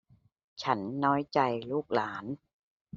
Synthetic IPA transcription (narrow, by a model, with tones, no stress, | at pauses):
t͡ɕʰa˦˥nːɔː˦˥jt͡ɕa˧jluː˥˩k̚laː˩˦n